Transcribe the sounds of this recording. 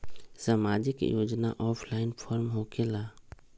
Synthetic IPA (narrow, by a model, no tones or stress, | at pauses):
səmaːd͡ʒɪkjoːd͡ʒna̰ʔɔːpʰlaːɪnpʰɔːɾmɦoːkelaː